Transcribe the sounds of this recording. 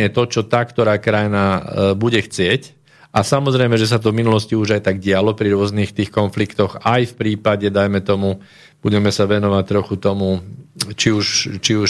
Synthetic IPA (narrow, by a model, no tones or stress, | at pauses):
ɲɛt̪ɔt͡ʃɔt̪akt̪ɔɾaːkɾajnabuɟɛxt͡sɪɛc | ʔasamɔzɾɛjmɛʒɛs̬at̪̬ɔvminulɔsciuʒajt̪aɡ̚ɟɪalɔpɾiɾʊɔzniːxt̪iːxkɔnflikt̪ɔxajfpɾiːpaɟɛd̪ajmɛt̪ɔmu | b̥uɟɛmɛsaʋɛnɔʋac̚t̪ɾɔxut̪ɔmut͡ʃiuʃt͡ʃiuʃ